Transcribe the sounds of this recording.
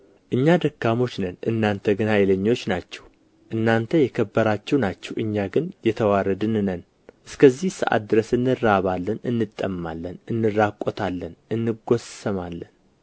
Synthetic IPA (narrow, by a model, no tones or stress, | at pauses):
ʔɨɲːad̪əkːamo̞t͡ʃːnənʔɨ̰nːant̪ʰəɡɨnajɛləɲːo̞t͡ʃːnat͡ʃːɛ̥w | ʔɨnːant̪ʰəjɛkʰəbːəɾat͡ʃːɛwnat͡ʃːɛwɨɲːaɡɨnjɛt̪ʰəwaɾəd̪ɨnnən | ʔɨskʰəzːihsɨ̰ʔa̰t̪̚d̪ɨɾəsɨnːɨrːaβalːənɨnːɨt̪ʼːəmːa̰lːənɨnːɨrːakʼːot̪ʰalːənʔɨnːɨɡo̞səmalːən